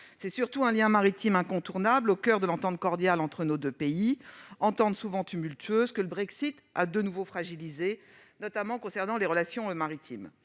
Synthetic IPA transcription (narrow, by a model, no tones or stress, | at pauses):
sɛsyʁt̪uɛ̃ljɛ̃maʁit̪imɛ̃kɔ̃t̪uʁnablokʲœʁd̪əlɑ̃t̪ɑ̃t̪̚kɔʁd̪jalɑ̃t̪χənod̪øpeiɑ̃t̪ɑ̃t̪suvɑ̃t̪ymylt̪ʰɥøzkələbʁɛksit̪a̰d̪ənuvofχaʒilize | nɔt̪amɑ̃kɔ̃sɛʁnɑ̃leʁəlasjɔ̃əmaʁit̪ʰim